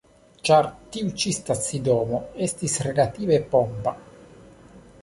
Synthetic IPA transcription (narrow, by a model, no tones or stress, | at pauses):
t͡ʃaɾt̪iut͡ʃist̪at̪sid̪oːmoest̪isrelat̪iːvepɔmpa